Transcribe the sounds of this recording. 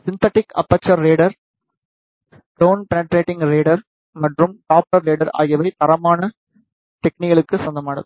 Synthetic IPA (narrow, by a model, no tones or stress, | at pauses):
sɪnt̪ɐʈːɪkɐ̰pːɐt͡ʃːɐɾːeːɽɐɾ | ɖoːnpɛnɐʈɾeːʈːɪŋɡɾeːɽɐɾ | mɐʈrɯmʈaːp̚ʈɐɾːeːɽɐɾa̰ːjɐʋɐɪt̪ɐɾɐmaːnɐ | t̪ɛknɪɣɐɭɯkːɯsɐnd̪ɐmaːɽɐðɯ